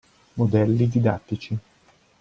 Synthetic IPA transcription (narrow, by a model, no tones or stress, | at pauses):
mod̪ɛlːid̪id̪at̪ːit͡ʃi